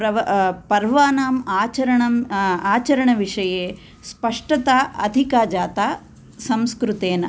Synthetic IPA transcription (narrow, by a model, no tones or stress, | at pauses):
ɾɐpɐɾʋaːnaːmaːt͡ʃɐɾɐɳɐmaːt͡ʃɐɾɐɳɐʋiʂɐjeː | spɐʂʈɐt̪aːʔɐd̪ʱikaːd͡ʒaːt̪aː | sɐmskɾut̪eːnɐ